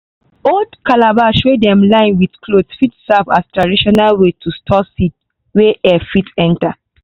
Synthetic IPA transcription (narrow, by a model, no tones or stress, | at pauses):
oldkalabaʃodɛ̃mlãɪ̃nwidklodfitsɛvastɹadiʃɔnalwetʰustʰɔsit | weʔɛfitɛ̃nta